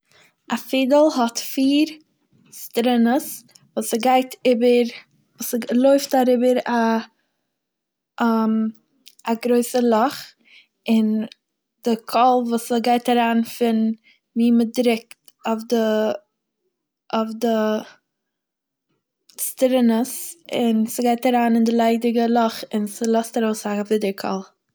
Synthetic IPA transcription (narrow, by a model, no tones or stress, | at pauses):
ʔafiːdəlˠhɔtfiːɾ | stɾɪnəs | vuːsəɡaɪtʰɪbəɾ | vuːsəlˠoɪftaɾɪbəɾa | m | aɡɾoɪsəlˠɔχ | ɪn | d̥ɪkʰɔlˠvuːsəɡaɪtaɾaːnfɪn | miːmədɾɪk̚t | ɔfdɪ | ʊfdɪ | stɾɪnəsɪnsɪɡaɪtaɾaːnɪndɪlˠaɪdɪɡəlˠɔχɪnsəlˠɔstaɾoʊsafɪdəɾkʰɔ̰lˠ